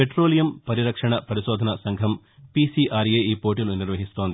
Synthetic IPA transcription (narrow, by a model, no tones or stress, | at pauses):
peʈɾo̞ːlijɐmpɐɾiɾɐkʂɐɳɐpɐɾiʃoːd̪ʱɐnɐsɐŋɡʱɐm | pisiʔaːɾjeːiːpo̞ːʈiluniɾʋɐɦist̪oːnd̪i